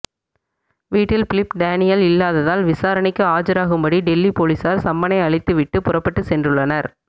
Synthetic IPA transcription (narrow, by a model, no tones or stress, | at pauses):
ʋiːʈːɪlpɪlɪpɖaːnɪjɐlɪlːaːðɐðaːlʋɪsaːɾɐnɪkːɯaːd͡ʒɐɾaːɣɯmbɐɽiɖɛlːipoːlisaːɾsɐmbɐnɐɪɐɭɪt̪ːɯʋɪʈːɯpʊrɐpːɐʈːɯsɛndrɯɭːɐnɐɾ